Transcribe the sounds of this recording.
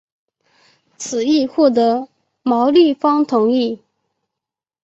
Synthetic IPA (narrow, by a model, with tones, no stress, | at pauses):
t͡sʰɹ̩˨˩i˥˧xwɔ˥˩t̪̬ɤ˧˥ | mɑ˧˥ʊli˥˩fɑ˥ŋt̪ʰʊ˧˥ŋi˥˩